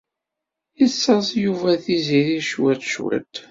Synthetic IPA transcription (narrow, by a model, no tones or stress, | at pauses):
isːɑzˤjuvæθiziɾiʃwætʃwæ̰t̪